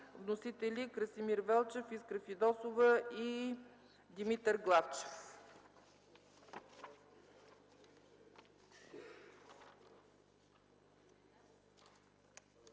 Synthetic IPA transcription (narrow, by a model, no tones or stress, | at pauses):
vnosit̪ɛlʲikɾəsimiɾvɛlˠt͡ʃɛfiskɾəfid̪ɔsovəi | d̪ʲimit̪əɾɡlˠaft͡ʃɛ̥f